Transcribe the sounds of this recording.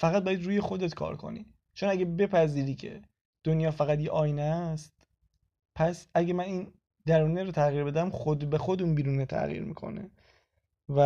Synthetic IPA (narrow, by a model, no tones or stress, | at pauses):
fæɣæt̪̚bɒjæd̪ɾuːjexo̞d̪e̞t̪kʰɒ̰ːɾkʰo̰nḭː | t͡ʃʰo̞næɡebe̞pʰæziːɾiːcʰe̞̰ | d̪̥onjɒːfæɣæt̪jeʔɒːjnæst̪ | pʰæsæɡemæniːn | d̪æɾuːneɾot̪ʰæɣiːɾbe̞d̪æmxod̪bexo̞d̪uːnbiːɾuːnet̪ʰæ̰ɣḭːɾmḭkʰo̞̰nḛ | væ